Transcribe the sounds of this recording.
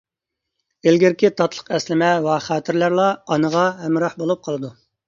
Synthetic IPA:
ɪlɡʲɪɾkʲʰit̪ʰɑt̪ʰlˠə̥qɛslɪmɛwɑχæːt̪ʰɪɾlæɾlˠɑɑnəʁɑɦɛmɾɑħbolˠup̚qʰɑlˠɨd̪u

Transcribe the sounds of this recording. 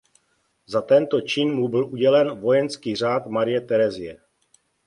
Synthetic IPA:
zat̪ɛnt̪ot͡ʃɪnmubɪlʔuɟɛlɛnvo̞jɛnskiːr̝aːt̪maɾɪjɛt̪ɛɾɛzɪjɛ

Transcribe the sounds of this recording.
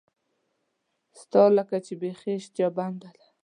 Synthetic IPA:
st̪ɑləkat͡ʃebexeʃt͡ʃ̪jɑband̪ala

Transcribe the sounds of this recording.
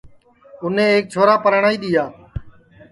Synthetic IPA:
ʊnẽːeːk̚t͡ʃʰoːɾaːpəɾɳaːiːɗ̪ɪːjaː

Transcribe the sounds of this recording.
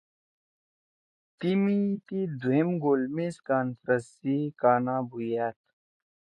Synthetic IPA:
t̪imit̪id̪uemɡoːlmẽskaːnfɾəsikaːnãːbʱujaːt̪

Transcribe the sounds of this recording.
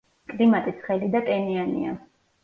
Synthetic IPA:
kʼlimat̪ʼit̪sʰχɛlid̪akʼɛnianḭa̰

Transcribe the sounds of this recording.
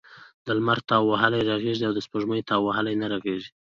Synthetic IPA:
d̪əlmaɾt̪awwaɦalajɾaɣeʒiawd̪əspəʒməjt̪ɑwwahalajnaɾaɣeʒi

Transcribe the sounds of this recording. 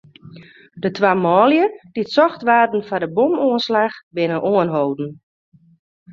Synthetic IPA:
dətʰʋaːmɔːljəd̥itsɔxtʋaːdn̩fadəbomoənslaxbɪnənʔoənɦowdn̩

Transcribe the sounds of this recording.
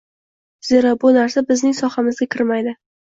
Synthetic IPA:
z̥e̞ɾabʊnaɾsabɪznɪŋsɒhamɪzɡʲakʲʰɪɾmajd̪ɪ

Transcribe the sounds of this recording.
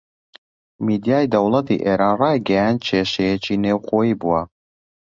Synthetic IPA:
mid̪ijaːjd̪ɐwlˠɐt̪ḭʔeːɾaːnrɑːjɡɐjand̪̚t͡ʃʰeːʃejɛt͡ʃiːneːwxoːjiːbuwɐ

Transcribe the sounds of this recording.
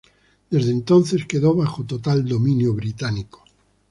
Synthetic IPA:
d̪e̞zðent̪onθe̞ske̞ðoβaxot̪ot̪ald̪o̞mĩnjoβɾit̪aniko̥

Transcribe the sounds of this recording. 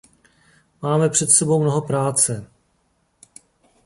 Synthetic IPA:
maːmɛpr̝̥ɛt̪sɛbo̞wmnoɦopɾaːt͡sɛ

